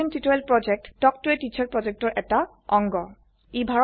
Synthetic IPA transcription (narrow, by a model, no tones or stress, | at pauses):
intitɔɛlpɹɔd͡ʒɛk̚tːɔk̚tuetit͡ʃʰɔɹpɹɔd͡ʒɛk̚tɔɹʔɛta | ɔŋɡɔ | ibʱaɹ